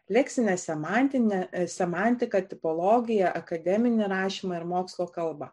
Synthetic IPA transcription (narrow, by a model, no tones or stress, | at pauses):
lʲɛksʲɪnʲɛsʲɛmɑnʲt̪ʲɪnʲɛsʲɛmɑnʲt̪ʲɪkɐt̪ʲɪpɔlˠoːɡʲɪjɛʔɐkɐd̪ʲɛmʲɪnʲɪɾɑːʃʲiːmɐɪɾmoːkslˠoːkɐlˠbɐ